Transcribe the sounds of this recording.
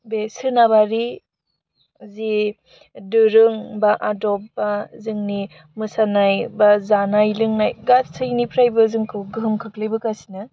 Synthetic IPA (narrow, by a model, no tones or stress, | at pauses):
besɯnabaɾi | zi | dɯɾɯŋbaʔadɔp̚bazɯŋni | mɯsanajbazanajlɯŋnajɡatsʰɯjnipʰɾajbɐzɯŋkʰɯwɡɯɦmkʰaklɯjbɯkasi̥nɐ